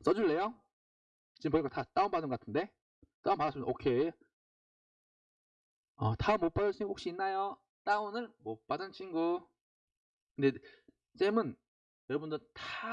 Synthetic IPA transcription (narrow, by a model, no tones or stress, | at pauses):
s͈ʌd͡ʑuɭːe̞jo | t͡ɕimpoiɡatat͈aumpadɯnŋɡʌk͈atʰɯnde̞ | t͈aumpaasɯmnokʰe̞ | ʌtaɯmːop͈adɯɭt͡ɕ͈uinɡuhokɕ͈iinːajo | t͈aunɯɭmop͈adɯnt͡ɕʰinɡu | kʰɯnde̞ | s͈emɯn | jʌɾʌbundɯɭtʰa